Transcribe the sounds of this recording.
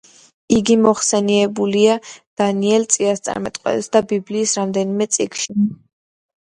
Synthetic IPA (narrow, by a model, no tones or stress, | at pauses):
iɡimɔχsɛniɛbuliad̪̥aniɛlt̪sʼiast̪sʼa̰ɾmɛt̪ʼqʼwɛ̰t̪ɛsd̪abibliːsɾamd̪ɛnimɛt̪sʼikʰʃi